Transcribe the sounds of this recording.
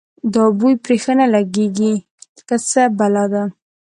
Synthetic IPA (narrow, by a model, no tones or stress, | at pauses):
d̪ɑbujpɾexənalaɡeɡi | kət͡səbalad̪a